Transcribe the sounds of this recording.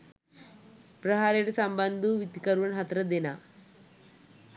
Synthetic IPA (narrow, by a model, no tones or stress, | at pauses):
prɐɦaːɾijɽesɐmbɐnd̪uʋit̪ikɐɾuʋɐnɦɐt̪ɾɐd̪ina